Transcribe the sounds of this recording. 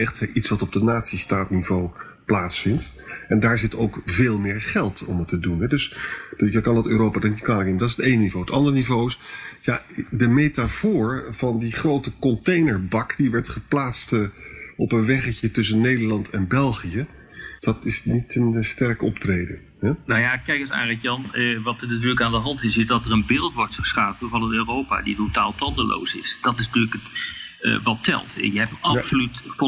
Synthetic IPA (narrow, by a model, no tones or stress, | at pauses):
ɛχtʔitsʋɑtɔb̚dənaːtsistaːtnivow | plaːtsfɪnt | ɛndaːɹzɪtowkveːlˠmɪːɹχɛlˠtɔ̰mətədunɦɛdɵsdəkɑndɑtøːɾowpaːdanitkaːləknemdɑtɪsətejnnivowətɑ̰ndəɹənivowɪsjadəmejtafʊːɹv̥ɑndiχrowtəkɔntejnəɹbɑkdiʋɛɹtχəplaːtstɔpənʋɛχəcətɵs̬ənːejdəɹlɑntʰɛnbɛlˠχijə | d̥ɑtɪsnitənstɛɹkɔp̚trejdən | hɛnawjakɛjkəsa̰ːrɛkjɑnəʋɑtnatyːləkaːndəɦɑntɪsɪzdɑtərənbɪːlˠtʋɔɹtfəɹsχaːpənvɑnənøːrowpa̰ːditotaːlˠtɑndəlʔo̰wsɪ̰sd̥ɑtɪsntyːləkət | ʋɑtɛ̰lˠtjəɦɛp̚tɑpsolytf